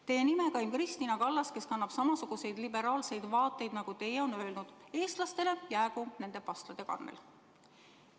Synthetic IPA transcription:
t̪e̞je̞nimekɑjmkrist̪iːnɑkɑlːɑske̞skɑnːɑb̥sɑmɑsuɡ̥use̞jd̪libe̞ɾɑːlse̞jd̪̥vɑːt̪ˑːe̞jd̪̥nɑɡ̥ut̪e̞jeo̞nø̞elnud̪̥e̞ːst̪lɑst̪e̞le̞jæːɡune̞nd̪e̞pɑst̪lɑd̪̥e̞kɑ̰nːḛl

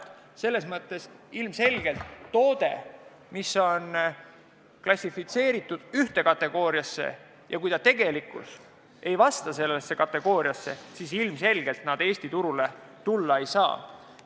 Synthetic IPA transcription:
se̞lːe̞smɤt̪ːe̞silmse̞lɡ̥e̞lt̪ːo̞ːd̪̥e̞̰ | misːo̞n | klɑsʲifit̪se̞ːɾit̪ːˑud̪̥yht̪e̞kɑt̪ːˑe̞ɡ̥o̞ːɾiɑsːe̞̰ | jɑkujt̪ɑt̪e̞ɡ̥e̞likːˑṵs | e̞jvɑst̪ɑse̞lːesːe̞kɑt̪ːˑe̞ɡ̥o̞ːɾiɑsːe̞̰sisilmse̞lɡ̥e̞lt̪nɑd̪e̞ːsʲt̪it̪uɾule̞t̪ulːɑe̞jsɑ̰ː

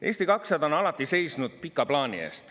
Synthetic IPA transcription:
e̞ːst̪ikɑksɑd̪ɑnɑlɑt̪ːˑise̞jsnud̪̥̚pikːˑɑplɑːnḭḛːst̪

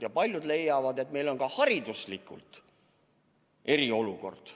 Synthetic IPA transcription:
jɑpɑlʲjud̪le̞jːɑvɑd̪e̞t̪me̞jlo̞nkɑhɑɾid̪uslikːˑṵlt̪ˑ | e̞ɾio̞luko̞̰rd̪̥

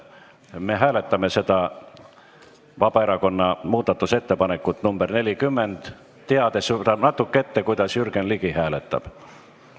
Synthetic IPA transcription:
me̞ɦæːle̞t̪ːˑɑme̞se̞d̪̥ɑ | vɑb̥ɑe̞ɾɑko̞nːɑmuːd̪̥ɑt̪ːˑuse̞t̪ːe̞pɑne̞kːˑut̪numb̥erne̞lʲikymːend̪̥ | t̪ːeɑd̪e̞st̪ɑnɑt̪ːˑukːee̞t̪ːe̞kujd̪̥ɑsjyrɡenliɡihæːlet̪ːˑɑ̰b̥

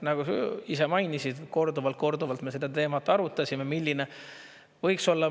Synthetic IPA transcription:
nɑɡ̥usisemɑjnisid̪̥ko̞rd̪uvɑlt̪̚ko̞rd̪uvɑlt̪me̞sed̪ɑt̪e̞ːmɑt̪ˑːɑɾut̪ːˑɑsʲimemilʲːine | vɤjkso̞lːɑ

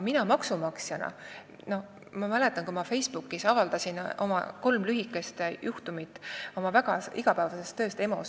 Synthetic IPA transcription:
minɑmɑksumɑksjɑnɑ̰ | no̞ | mɑmæle̞t̪ːˑɑnkuimɑfe̞jsb̥ukːˑisɑvɑld̪̥ɑsino̞̰mɑ̰ko̞lmlyɦikːˑe̞st̪ejʔuht̪umit̪ːˑo̞mɑvæɡ̥ɑiɡ̥ɑpævɑse̞st̪ːø̞ːst̪e̞mo̞̰s

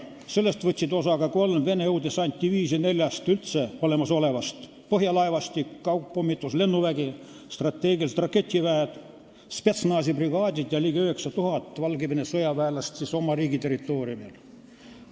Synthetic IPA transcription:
se̞lːe̞st̪vɤt̪ʲsid̪o̞sɑɡɑko̞lmve̞ne̞ɤwd̪esɑnʲt̪ʲːiviːsene̞lʲjɑst̪ylt̪se̞o̞le̞mɑso̞le̞vɑst̪ | pɤɦjɑlɑevɑst̪ʲikːɑwpːomːit̪ːˑusle̞nːuvæɡi | st̪rɑt̪ːe̞ːɡiɑlt̪rɑkːe̞t̪ʲˑːivæed̪̥ | spe̞t̪snɑːsipriɡɑːd̪ʲid̪̥jɑliːɡeyhe̞ksɑt̪uɦɑt̪ːˑvɑlɡiminesojɑvæːlɑst̪siso̞mɑɾiːɡit̪e̞rit̪ːˑo̞ːɾiumil

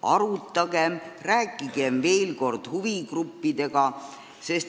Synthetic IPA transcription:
ʔɑ̰ɾut̪ːˑɑɡemræːkːˑiɡ̥e̞mve̞ːlko̞rd̪̥huviɡrupːid̪̥e̞ɡ̥ɑ | se̞st̪

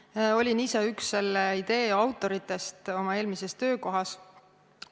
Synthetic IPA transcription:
o̞lʲiniseyksːe̞lːeid̪̥e̞ːɑwt̪ːˑo̞ɾit̪ːˑe̞st̪o̞mɑe̞ːlmise̞st̪ø̞ːko̞ɦɑs

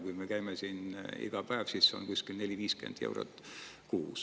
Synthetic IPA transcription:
kujmekæjmesiːnḭɡ̥ɑpæev̥sisːeo̰nkuskilne̞lʲiviːskḛnd̪̥jḛwɾo̰t̪ːˑ | kuːs

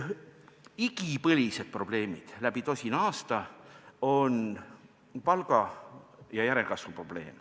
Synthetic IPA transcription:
iɡipɤlʲise̞d̪̥̚pro̞b̥le̞ːmid̪̥læb̥it̪o̞sʲinɑːst̪ɑo̞n | pɑlɡ̥ɑ | jɑjæɾe̞lkɑsvupro̞b̥le̞̰ːm

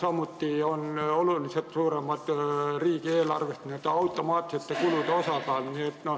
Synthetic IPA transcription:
sɑmut̪ːiːonolulːiset̪suːremːɑt̪riːkieːlɑrʋest̪niet̪ːɑut̪ːˑomɑːt̪ːˑi̥set̪jɑkulut̪osɑkɑːlniet̪no

